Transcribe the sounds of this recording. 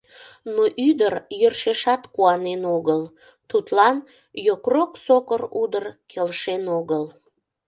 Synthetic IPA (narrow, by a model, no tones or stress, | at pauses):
noʔyd̪ərjørʃeʃɑt̪kuɑnenoɣəl | t̪ut̪lɑn | jokroksokərud̪ərkʰelʃenoɣəl